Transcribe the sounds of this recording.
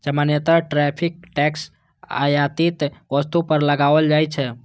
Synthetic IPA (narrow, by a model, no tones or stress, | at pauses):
d͡ʒəmanjət̪aʈɾɛpʰik̚ʈɛks | a̰jat̪it̪ʋəst̪upəɾləɡaʋəld͡ʒajt͡ʃʰɛ